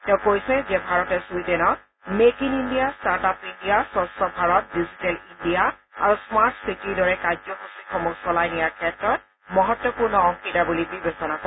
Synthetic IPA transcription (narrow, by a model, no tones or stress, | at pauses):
tɛʊ̃kojsɛzɛbʱaɹɔtɛsuidɛnɔ | mekinindijastaɹtapindijasɔsɔbʱaɹɔt̚dizitɛlindijaa̰ɹusmaɹtsitiɹdɔɹɛkad͡ʒɔkusikɔmuksɔlajnijaɹkʰɛtɹɔt̚ | mɔɦɔtwɔpuɹnɔɔŋkitabulibibesɔnakɔ